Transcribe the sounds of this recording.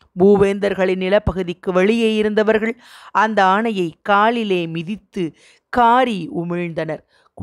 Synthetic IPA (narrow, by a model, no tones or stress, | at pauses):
buːʋeːnd̪ɐɾɣɐɭɪnnɪlɐpːɐɣɯðɪkːɯʋɐɭɪjeːjɪɾɯnd̪ɐʋɐɾɣɐɭ | ʔɐnd̪ɐaːɳɐjɐɪkaːɭɪleːmɪðɪt̪ːɯ | kaːɾiʊmɪɻnd̪ɐnɐɾ